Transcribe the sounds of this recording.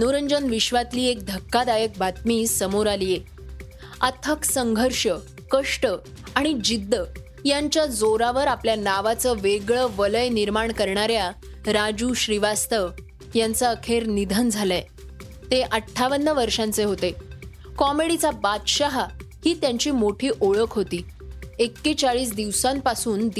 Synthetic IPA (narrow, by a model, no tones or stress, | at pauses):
nuɾəɲd͡ʑənʋiɕʋat̪liːek̚d̪ʱəkːad̪ajək̚bʱat̪miːsəmoɾalije | ət̪ʰəksəŋɡʱəɾʂə | kəʂʈə | aɽ̃id͡ʑid̪ːə | jaɲt͡ɕjad͡zoɾaʋəɾapljanaʋat͡səʋeɡɭəʋələjniɾmaɳkəɾɳaɾja | ɾad͡ʑuːɕɾiʋast̪ə | jant͡saəkʰeɾnid̪ʱənd͡zʱala | t̪eʔəʈʰːaʋənːəʋəɾʂãnt͡seɦot̪e | kɔmeɽit͡sabat̪ɕaɦahiːt̪jãɲt͡ɕiːmoʈʰiːʔoɭəkʰɦot̪iː | ekːet͡ɕaɭiːsd̪iʋsãmpasuːnd̪